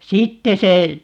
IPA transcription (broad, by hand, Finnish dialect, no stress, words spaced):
sitːe se